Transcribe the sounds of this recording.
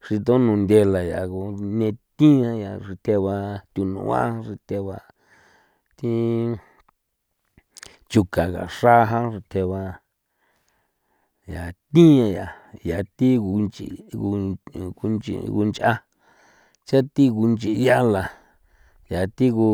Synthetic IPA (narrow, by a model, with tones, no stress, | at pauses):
ʂi˧t̪̬õ˦nũ˨nd̪ʲe˧la˨ja˨ɣu˧nẽ˧t̪ĩ˦ã˧ja˨ʐi˧t̪ʰe˧βa˧t̪ʲu˧nṵ̃˧˨a̰˦ʐi˧t̪ʰe˧βa˧ | t̪i˦ | t͡ʃu˧kã˨ka̰˨ʂa˦˧ɦã˦ʐi˧t̪ʰe˧βa˧ | ja˨t̪ĩ˦ã˧ja˨ | ja˨t̪i˦u˧nt͡ʃḭ˨u˧u˧nt͡ʃḭ˧ɣṵ˧nt͡ʃʔa˦ | t͡ʃa˦t̪i˦ɣu˧nt͡ʃi˧˨˧ja˦la˨ | ja˨t̪i˦ku˧